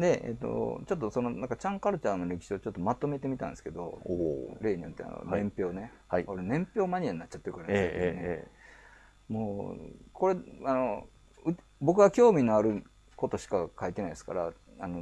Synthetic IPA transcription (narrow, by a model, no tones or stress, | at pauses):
d̪e̞ḛt̪ːo̞̰t͡ɕo̞t̪̬ːo̞sono̞nãŋkat͡ɕãŋkaɾɯ̟t͡ɕaːnːoɾe̞kʲi̥ɕiot͡ɕo̞t̪ːomat̪o̞me̞t̪e̞mʲit̪ã̰nd̪esɨ̥ke̞d̪o̞̰ | ɾe̞ːɲijot̪ːe̞̰a̰no̰nẽ̞mpʲjo̞ːne̞ | hikoɾenẽ̞mpʲjo̞ːmaɲ̟iaɲinat͡ɕːat̪ːekɯɾemasae | moːko̞ɾe̞ano̞ | ɯ | bo̞k̬ɯ̟ɡakʲo̞ːmʲinoaɾɯ̟ | ko̞t̪o̞ɕi̥kakait̪e̞naid̪esɨ̥kaɾa | ano